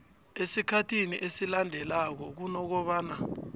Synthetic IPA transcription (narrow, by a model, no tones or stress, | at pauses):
esikʰatʰiniʔesilandʱɛlak̬ɔk̬unɔk̬ɔɓaːna